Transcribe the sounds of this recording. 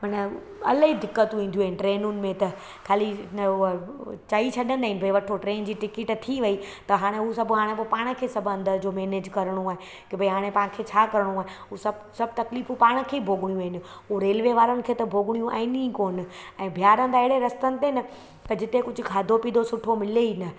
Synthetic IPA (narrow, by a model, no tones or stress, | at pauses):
mɐnə | ɐ̰lɦid̪ɪkːət̪ũĩːn̆d̪iũaːɦɪnɪʈɾeːnʊnɪ̆mẽt̪ɐ | kʰaːli | t͡ɕaːit͡ɕʰɐɗənd̪aːɪnɪ̆bʱɐiʋɐʈʰoʈɾeːnd͡ʑiːʈɪkɪʈt̪ʰiʋɐit̪ɐɦaːɽ̃ẽɦusɐbʱɦaːɽ̃ẽp̬opaːɽ̃kʰeːsɐbʱɐ̃nd̪əɾd͡ʑoːmeːneːd͡ʑkɐɾəɽ̃ũaːɦe | kebʱɐiɦaːɽ̃ẽpãːnɪ̆kʰet͡ɕʰaːkɐɾəɽ̃ũaːɦeɦusɐb | sɐb̚t̪ɐkliːfũpaːɽ̃kʰeːbʱoːɡɽijũaːɦɪnɪ̆ | ɦuɾeːlʋeʋaːɾənɪ̆kʰeːt̪ɐbʱoːɡɽ̃ijũʔa̰ːɦɪnĩkoːnɪ̆ɛ̃ːbʱijaːɾə̃nd̪aːɪɪɽeɾɐst̪ənɪ̆t̪eɦnɪ | t̪ɐd͡ʑɪt̪ekʊd͡ʑʱʊ̆kʰaːd̪ʱopiːd̪osʊʈʰomɪleinɐ